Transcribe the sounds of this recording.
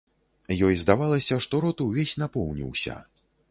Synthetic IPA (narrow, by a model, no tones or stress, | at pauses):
jɔjzd̪avalˠɐsʲɐʂt̪ɔɾɔt̪ɨwvʲesʲnapɔwnʲḭwsʲɐ̰